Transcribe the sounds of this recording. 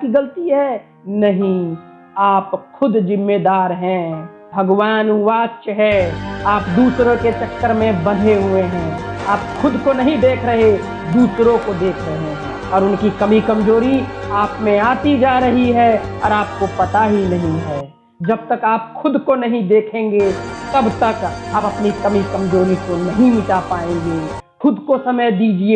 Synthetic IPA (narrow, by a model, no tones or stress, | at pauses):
kiɡɐlt̪iɦɛː | nɐɦĩ | aːpxʊd̪zɪmːed̪aːɾɦɛ̃ | bʱɐɡwaːnuʋaːt͡ʃɦɛaːpd̪uːsɾõket͡ʃɐkt̪əɾmẽbɐd̪ʱeɦueɦɛ̃ː | aːpxʊd̪konɐɦĩd̪eːkʰɾɐɦe | d̪uːsɾõkod̪eːkʰɾɐɦeɦɛ̃ | ɔːɾʊnkikɐmikɐmd͡ʒoːɾi | aːpmẽaːt̪id͡ʒaːɾɐɦiɦɛɔːɾaːp̚kopɐt̪aɦinɐɦĩɦɛː | d͡ʒɐb̚t̪ɐkaːpxʊd̪konɐɦĩd̪eːkʰẽːŋɡet̪ɐbt̪ɐkaːpɐpnikɐmikɐmd͡ʒoːɾikonɐɦĩmɪʈapaːẽːŋɡeː | xʊd̪kosɐməjd̪iːd͡ʒie